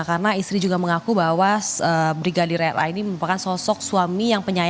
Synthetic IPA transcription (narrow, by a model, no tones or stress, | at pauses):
kaɾənaist̪ɾid͡ʒuɡaməŋakubawasəbɾiɡadiɾɛɾa̰iniməɾupakansɔsɔk̚suamijaŋpəɲa